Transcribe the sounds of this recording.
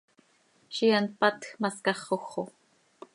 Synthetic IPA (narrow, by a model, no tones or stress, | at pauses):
ʃian̚pat̪xmaskɑχoxo